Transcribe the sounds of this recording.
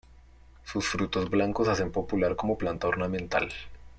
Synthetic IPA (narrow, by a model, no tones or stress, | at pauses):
susfɾut̪o̞zblaŋkosase̞mpo̞pulaɾko̞mo̞plant̪ao̞ɾnamẽ̞nt̪a̰l